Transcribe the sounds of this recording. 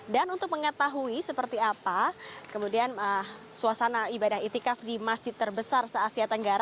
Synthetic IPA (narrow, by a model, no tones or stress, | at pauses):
danunt̪ʊk̚məŋət̪aɦuisəpərt̪iapakəmudianəsuasanaibadaɦit̪ikafdimasɪht̪ərbəsarsəasiat̪əŋɡaɾa